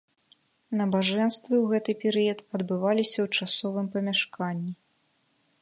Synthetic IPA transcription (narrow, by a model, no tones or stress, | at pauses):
nɐbaʐɛnst̪vɨwɣɛt̪ɨpʲɛɾɨjɐt̪ɐd̪bɨvalʲisʲɐwt͡ʂasɔvɨmpɐmʲaʂkanʲːi